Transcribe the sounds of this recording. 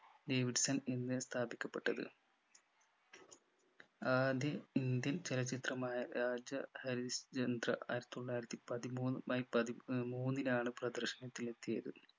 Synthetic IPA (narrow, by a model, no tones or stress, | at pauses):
ɖe̞ːʋiɖsɐninːɨst̪ʰaːbikʲːɐpːe̞ʈːɐðɨ̰ | aːd̪jɐind̪jɐnt͡ɕelɐt͡ɕːit̪rɐmaːjɐɾaːd͡ʑɐhɐɾist͡ɕɐnd̪rɐ̰ʔa̰ːiɾɐt̪ːuɭːaːjiɾɐt̪ːipɐðimuːnmaːjipɐðimuːnːinaːɳɨprɐd̪ɐrɕɐnɐt̪ːilet̪ːijɐðɨ